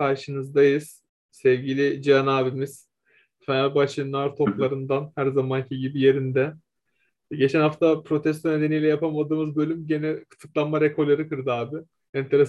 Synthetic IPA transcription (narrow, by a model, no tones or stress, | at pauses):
kʰaɾʃɯnɯzd̪ajɯz̥ | sɛvɟilʲid͡ʒianaːbimiz̥ | fanalʲbat͡ʃʰɯnaɾt̪ʰo̞plˠaɾɯnd̪anhæɾzamancʰiɟibije̞ɾind̪ɛ | ɟe̞t͡ʃʰɛnhaft̪ʰapʰɾo̞t̪ʰɛs̬t̪ʰone̞d̪e̞nijlʲɛjapʰamad̪ɯːmɯzbø̞lʲymɟe̞nɛkʰɯ̥t̪ʰɯklˠanmaɾekʰo̞ɾlʲaɾɯkɯɾd̪ɯaːbɪ | ɛnt̪ʰe̞ɾ